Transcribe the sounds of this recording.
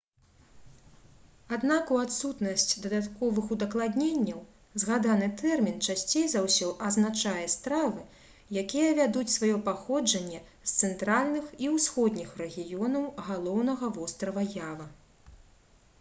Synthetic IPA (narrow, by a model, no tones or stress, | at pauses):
ad̪nakuat̪sut̪nɐsʲt͡sʲd̪ɐd̪at̪kɔvɨxud̪ɐklˠad̪ʲnʲenʲːɐw | zɣad̪anɨt̪ɛrmʲint͡ʂasʲt͡sʲejzawsʲɔʔɐznat͡ʂajɛst̪ɾavɨ | jakʲijɛvʲad̪ut͡sʲsvajɔpaxɔd͡ʐɐnʲːɛ | st̪sɛnt̪ɾalʲnɨxiwsxɔd̪ʲnʲixrɛɣʲijɔnɐwɣalˠɔwnɐɣɐvɔst̪ɾɐvɐjavɐ